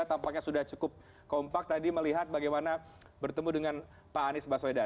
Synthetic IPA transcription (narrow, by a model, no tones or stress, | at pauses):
t̪ampak̚ɲasudaht͡ʃukʊp̚ | kɔmpak̚t̪adiməliɦat̪̚baɡajmana | bərt̪əmudəŋan | paːnɪsbasoeda